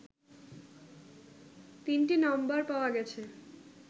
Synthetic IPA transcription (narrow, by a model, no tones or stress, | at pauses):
t̪inʈinɔmbaɾpaoaɡɛt͡ɕʰe